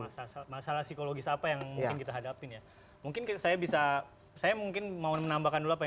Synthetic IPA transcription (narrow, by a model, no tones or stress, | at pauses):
asasamasalahsikoloɡɪsapajaŋmuŋkɪnkit̪aɦadapɪnja | muŋkɪnksajabisa | sajamuŋkɪnmaumənambakanduluapa